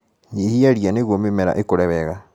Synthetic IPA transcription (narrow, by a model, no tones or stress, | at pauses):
ɲehiaɾjaneɣwomemɛɾa̰ʔekoɾɛβɛɣa